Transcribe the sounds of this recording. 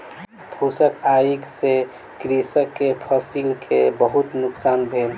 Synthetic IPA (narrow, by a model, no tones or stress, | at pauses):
pʰusəkaikse | kɾisəkːepʰəsilkʰebəɦut̪nʊksaːnbʱen